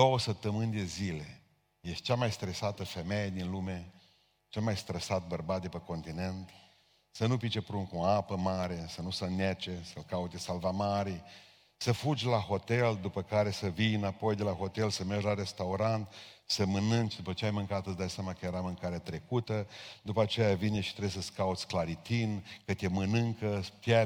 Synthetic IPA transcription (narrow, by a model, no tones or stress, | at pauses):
d̪o̞wəsəp̚t̪ːəmɨnʲd̪e̞zile̞ | jest̪ʲt͡ʃamajst̪ɾesat̪əfe̞mejed̪inlume̞ | t͡ʃe̞lmajst̪ɾəsat̪̚bərbat̪̚d̪epəko̞nt̪ine̞nt̪ | sənupit͡ʃe̞pɾunkuoapəmaɾe̞sənusənet͡ʃe̞səlkaut̪esalvamaɾi | səfud͡ʒʲlaho̞t̪e̞ld̪upəkaɾe̞səvinapo̞jd̪e̞laɦo̞t̪elsəmerʒlaɾe̞st̪auɾant̪səmɨnɨnt͡ʃd̪upət͡ʃeajmɨŋkat̪səsd̪ajsʲjamakəjeɾamɨŋkaɾeat̪ɾe̞kut̪əd̪upəat͡ʃe̞javineʃi̥t̪ɾesəskaut̪sʲklaɾit̪inkət̪ʲemɨnɨŋkət̪ʲa